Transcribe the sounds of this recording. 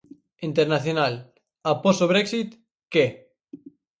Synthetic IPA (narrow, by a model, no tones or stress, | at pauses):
int̪eɾnaθjonal | aposoβ̞ɾeksit̪ | ke